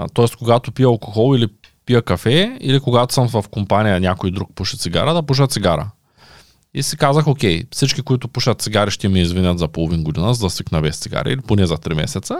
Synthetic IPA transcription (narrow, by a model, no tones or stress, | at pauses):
t̪ɔɛst̪̚koɡat̪opiəɐlˠko̥xɔlˠili | pijəkɐfɛḭlikoɡat̪o̥səmvɐfkompanijənʲakojd̪ɾuk̚puʃɐt̪siɡa̰ɾəd̪ɐpuʃ̬ət̪t̪siɡaɾə̰ | isikazəxokʲɛjfsit͡ʃkʲikoit̪ʊpuʃɐt̪t̪siɡaɾiʃt̪ɛmiizvinʲət̪zɐpolˠovinɡod̪inəzɐd̪ɐsiknɐvɛst̪siɡa̰ɾḭːliponɛzɐt̪ɾimɛ̰sɛt̪sə